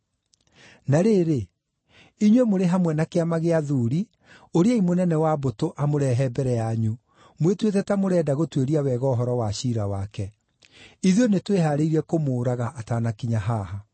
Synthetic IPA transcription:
naɾeːɾe | iɲwemoɾeɦamwɛnakeamaɣeaðuːɾi | oɾeaimonɛnɛwabotoʔamoɾɛɦɛbɛɾɛjaɲu | mwetwetɛtamoɾɛːdaɣotweɾiawɛɣɔːɦɔɾɔwaɕiːɾawakɛ | iðjonetweɦaːɾeiɾɛkomoːɾaɣaʔːtaːnakiɲaɦaːha

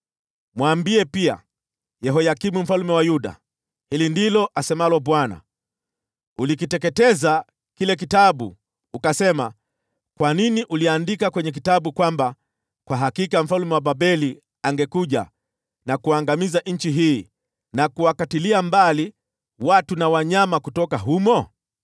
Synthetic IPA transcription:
mwaːmbiɛpia̰ | jɛɦɔjakimum̩falumɛwajuɗa̰ | hilindilɔʔasɛmalɔɓwana̰ | ulikitɛkɛtɛza | kilɛk̬itaɓṵ | ukasɛma | kwaniniʔuliandikakwɛɲɛk̬itaɓukwamba | kwaɦakikam̩falumɛwaɓaɓɛli | aŋɡɛkuʄa̰ | nakuaŋɡamizaʔɲ̩t͡ʃiɦiː | nakuwakatiliambali | watunawaɲamakutɔkaɦumɔ

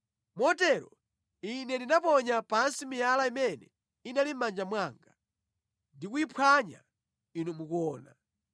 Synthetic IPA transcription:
mɔtɛɾɔ̰ | inɛndinapɔɲapansimijalaimɛnɛ̰ | inalim̩mand͡ʒamwaːŋɡa | ndikuipʰwaɲa̰ | inumukɔːna̰

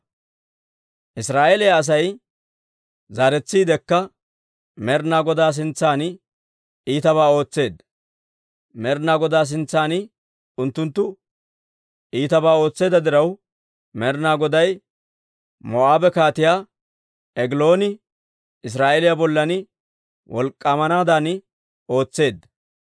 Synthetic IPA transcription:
ʔɪsɾaːʔelɪjaːs̬ɐj | zaːɾɛt͡sːiːd̪ɛkːɐ | mɛɾnaːɡɔd̪aːs̬ɪnt͡sːaːnɪ | iːt̪ɐβaːo̞ːt͡sːe̞ːd̪ɐ | mɛɾnaːɡɔd̪aːs̬ɪnt͡sːaːnɪ | ʊnt̪ːʊnt̪ːʊ | iːt̪ɐbaːo̞ːt͡sːe̞ːd̪ɐd̪ɪɾɐw | mɛɾnaːɡɔd̪ɐj | mɔaːbɛkaːt̪ɪjaː | ɛɡɪlo̞ːnɪ | ɪs̬ɾaːʔelɪjabɔlːɐnɪ | wʔɔlkʼːamɐnaːd̪aːnɪ | o̞ːt͡sːe̞ːd̪ːɐ

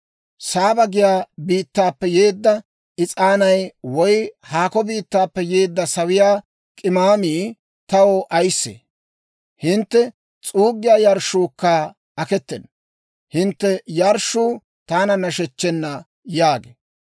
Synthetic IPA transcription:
saːbɐɡɪjaːbiːt̪ːaːpːɛjeːd̪ːɐ | ʔɪt͡sʼaːnɐjwɔjhaːkɔbiːt̪ːaːpːɛje̞ːd̪ːɐsɐwɪjaː | kʼɪmaːmiː | t̪ɐwoʔɐjsːḛː | hɪnt̪ːɛ | t͡sʼuːɡːɪjaːjɐɾʃuːkːa | ɐkɛt̪ːɛn | hɪnt̪ːɛjɐɾʃːuː | t̪aːnɐnɐʃɛt͡ʃːɛnːɐ | jaːɡḛ

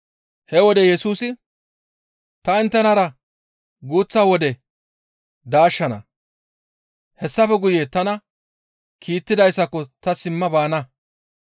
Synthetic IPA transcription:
hɛwɔd̪ɛjɛsuːsɪ | t̪ɐɪnt̪ːɛnɐɾɐ | ɡuːt͡sːɐwɔd̪ɛ | d̪aːʃːɐnɐ̰ | hɛsːɐfɛɡʊjet̪ɐnɐ | kʰiːt̪ːɪd̪ɐjsːɐkɔt̪ɐsɪmːɐbaːnɐ

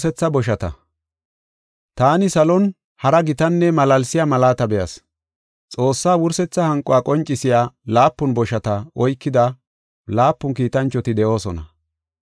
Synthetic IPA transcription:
sɛt͡sːɐbɔʃ̬ɐt̪ɐ̰ | t̪aːnɪsɐlɔn | hɐɾɐɡɪt̪ɐnːɛmɐlɐlsɪjaːmɐlaːt̪ɐbɛjɐ̰s | t͡sʼo̞ːsːaːwʊɾsɛt͡sːɐhɐŋkʼːɔwaːkʼɔnt͡ʃʼːɪsɪjaːlaːpːʊnbɔʃɐt̪ɐɔjkːɪd̪ɐ | laːpːʊnkiːt̪ɐnt͡ʃːɔt̪ɪd̪ɛʔo̞ːsɔnɐ̰

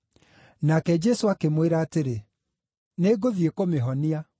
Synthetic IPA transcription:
nakɛd͡ʒɛsoakemweɾaːteɾe | neɡoðiekomeɦɔnia

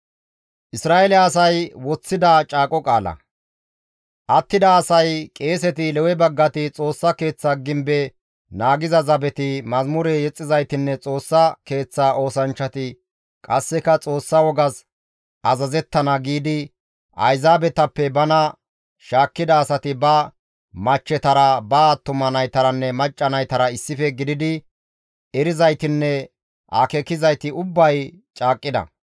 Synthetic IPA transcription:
ʔɪsɾaːɛlɛɐsɐjwɔt͡sːɪd̪at͡ʃʼaːkʼɔkʼaːlɐ̰ | ʔɐt̪ːɪd̪ɐːsɐjkʼe̞ːsɛt̪ɪlɛwɛbɐɡːɐt̪ɪt͡sʼo̞ːsːɐke̞ːt͡sːaːɡɪmbɛ | naːɡɪzɐzɐbɛt̪ɪmɐzmʊɾɛjɛt͡sʼːɪzɐjt̪ɪnːɛt͡sʼo̞ːsːɐke̞ːt͡sːaːʔo̞ːsɐnt͡ʃːɐt̪ɪ | kʼɐsːɛkɐt͡sʼo̞ːsːɐwɔɡɐs | ʔɐzɐzɛt̪ːɐnɐɡiːd̪ɪ | ʔɐ̰jzaːbɛt̪ɐpːɛbɐnɐ | ʃaːkːɪd̪ɐːsɐt̪ɪbɐ | mɐt͡ʃːɛt̪ɐɾɐbɐt̪ːʊmɐnɐjt̪ɐɾɐnːɛmɐt͡ʃʼːɐnɐjt̪ɐɾɐɪsːɪfɛɡɪd̪ɪd̪ɪ | ɛɾɪzɐjt̪ɪnːɛ | ʔa̰kɛkɪzɐjt̪ɪʊbːɐj | t͡ʃʼaːkʼːɪd̪ɐ̰

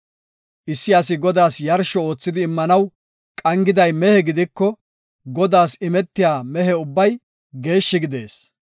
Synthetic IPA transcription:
ʔɪsːɪɐs̬ɪɡɔd̪aːsjɐɾʃɔo̞ːt͡sːɪd̪ɪːmːɐnɐw | kʼɐŋɡɪd̪ɐjmɛhɛɡɪd̪ɪkːɔ | ɡɔd̪aːsɪmɛt̪ːɪjaːmɛɦɛʊbːɐj | ɡe̞ːʃːɪɡɪd̪e̞ːs

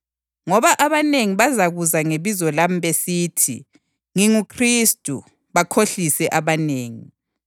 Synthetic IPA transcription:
ŋɔβaʔaβaneŋiβazaɣuzaŋeβizɔlam̩βesiːtʰḭ | ŋiŋukʰristʼṵ | βakʰoɬisɛʔaβaneːŋi

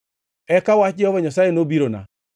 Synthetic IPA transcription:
ɛkawat͡ʃiɔβɔɲasaenobiɾona̰

